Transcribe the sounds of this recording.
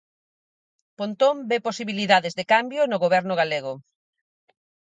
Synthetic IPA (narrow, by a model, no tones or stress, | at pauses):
pont̪ombeposiβiliðaðezðekambjonʊɣoβɛɾnʊɣaleɣʊ